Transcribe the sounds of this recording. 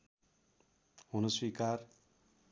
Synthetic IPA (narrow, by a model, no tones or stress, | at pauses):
hunoswikar